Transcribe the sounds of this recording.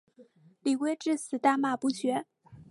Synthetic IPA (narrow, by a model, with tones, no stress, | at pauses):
li˨˩kwe˧˥ɪʈ͡ʂɻ̩˥˩sɹ̩˨˩t̪a˥˧ma˥˩pu˧˥ɕɥɛ˧˥